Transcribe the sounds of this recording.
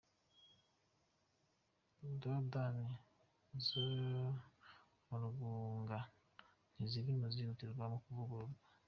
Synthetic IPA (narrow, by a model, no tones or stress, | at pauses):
dodani | zo | muɾuɡuŋɡa | n̥iziɾinuziɾutiɾɡwamukuvuɡuɾɡa